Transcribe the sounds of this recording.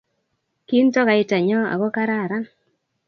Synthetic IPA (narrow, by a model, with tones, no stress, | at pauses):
ki˦ntɔ˦ka˨ɪ˦ta˨ɲɔ˦a̰˨ɡo˦ka˦ɾa˦˨ɾa˦n